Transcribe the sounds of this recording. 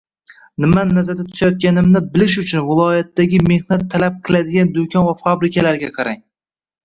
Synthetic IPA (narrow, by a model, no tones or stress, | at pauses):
nɪmannːazaɾd̪at̪ʰʊ̥t̪ʰajɒt̪̚kʲanɪmnɪbɪlɪʃʊt͡ʃʰʊnvɪlˠɒjat̪ːaɡʲɪme̞hnat̪ʰːalap̚qʰɨlad̪ɪɡʲand̪okʰʲɒnvafabɾɪkʲʰalaɾɡʲaqʰɑɾaŋ